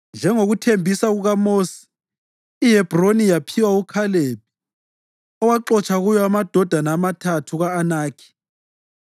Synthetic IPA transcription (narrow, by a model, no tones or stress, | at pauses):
nd͡ʒʱɛŋoɣutʰembʱisaɣuɣamoːsi̥ː | ɦɛb̥ʱronijapʰiwaukʰaleb̚i̥ | ɔwaǃɔt͡ʃʼʰaɣujɔamad̥ʱɔd̥ʱanaːmatʰatʰuɣaːnaːkʰi̥